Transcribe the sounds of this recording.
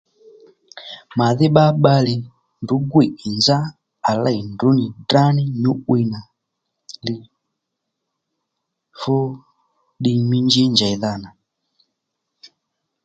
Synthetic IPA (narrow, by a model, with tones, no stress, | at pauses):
ma˨ði˦ɓa˦ɓa˦li˨ | ndu˨˦ɡwi˨i˨nd͡ʒa˦ | a˨la˦˨i˨ndu˨˦ni˨da˦ni˦ɲu˦wi˦na˨ | li˨ | fo˦ | ɗi˧mi˦nd͡ʒi˦nd͡ʒa˨i˨ða˦na˨